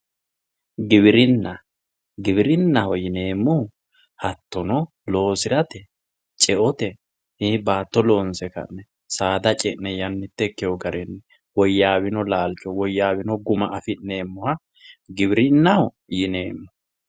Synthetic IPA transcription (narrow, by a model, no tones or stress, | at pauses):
ɡɪβɪɾɪnːɐ | ɡɪβɪɾɪnːɐhɔjɪne̞ːmːʊ | hɐt̪ːɔnɔ | lo̞ːsɪɾɐt̪ɛ | t͡ʃʼɛʔɔt̪ɛ | hibaːt̪ːɔlo̞ːnsɛkɐ̰nːɛ | saːd̪ɐt͡ʃʼɛʔnɛjɐnːɪt̪ːɛkːɛjɔɡɐɾɛnːɛ | wɔjːaːβɪnɔlaːlt͡ʃːɔwɔjːaːbɪnɔɡʊmɐʔɐfɪne̞ːmːʊhɐ | ɡɪbɪɾɪnːɐhɔ | jɪneːmːʊ